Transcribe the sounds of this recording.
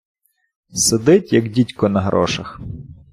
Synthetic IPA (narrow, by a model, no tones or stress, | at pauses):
sed̪ɪtʲjɐɡdʲitʲkɔnɐɦɾʔɔ̰ʃɐx